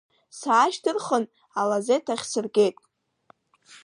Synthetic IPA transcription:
saːʃdɨrχən | alazejtʰaχʲsɨrɡʲe̞jtʼ

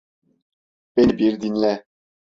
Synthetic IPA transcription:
benbiɾd̪inlɛ

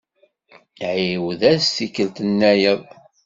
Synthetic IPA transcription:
ʕiwðæstːikːəlt̪ənːæjəðˤ

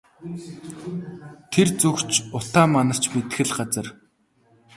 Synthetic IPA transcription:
t̪ʰert͡sɵkt͡ɕʊt̪aːmanə̆r̥t͡ɕmet̪ɘ̆xɘ̆ɮɢat͡sə̆r

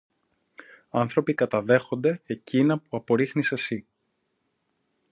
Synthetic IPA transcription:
ɐnθɾo̞pikɐt̪ɐðe̞xo̞nd̪e̞ecinɐpuɐpo̞ɾixnise̞si

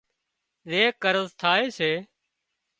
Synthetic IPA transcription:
zeːkəɾəzt̪ʰaːeːseː

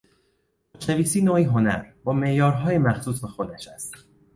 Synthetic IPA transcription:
t͡ʃʰæviːsiːnoːiːɦo̞næ̰ɾbɒːme̞ʔjɒːɾɦɒːjemæxsuːsbexod̪æʃæst̪̚

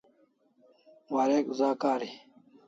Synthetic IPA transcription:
waɾeːkzaːkaːɾi

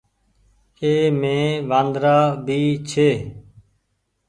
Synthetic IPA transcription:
eːmẽːʋãːnd̪ɾaːbʱiːt͡ʃʰeː

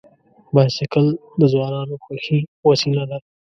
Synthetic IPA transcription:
baːjsɪkəld̪əzwaːnaːnoxɐxiwɐsilad̪a

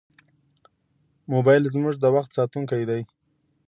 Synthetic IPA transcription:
mobɑjlzmʊʐd̪əwaxt̪sɑt̪uŋkajd̪aj

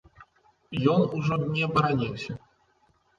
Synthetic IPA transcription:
jɔnuʐɔnʲɛɐbɐɾanʲiwsʲɐ

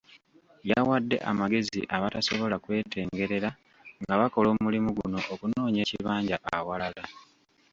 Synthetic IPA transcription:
jawadːe̞̰ʔa̰maɡe̞zḭʔaβataso̞βo̞lakwe̞ːtʰe̞ːŋɡe̞ɾe̞ɾa | ŋɡaβako̞lo̞ːmulimuɡuno̞ʔokuno̞ːɲe̞ːciβaːɲɟaʔawalala

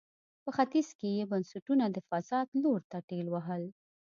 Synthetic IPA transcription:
pəxat̪izkejebansuʈunad̪əfasɑd̪loɾt̪aʈelwaɦəl

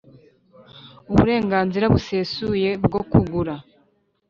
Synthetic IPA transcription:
uβuɾe̞ːŋɡaːnziɾaβuse̞suje̞bɡo̞kuɡuɾa

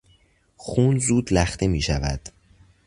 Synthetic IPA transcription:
xuːnzuːd̪læxt̪ʰe̞miːʃævæ̰d̪̥

